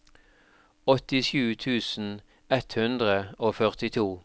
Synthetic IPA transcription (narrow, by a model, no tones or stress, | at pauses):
ɔt̪ɪʃʉːt̪ʰʉːsn̩ | ɛt̪hʉnd̪ʁəoːfœʁt̪ɪt̪ʰuː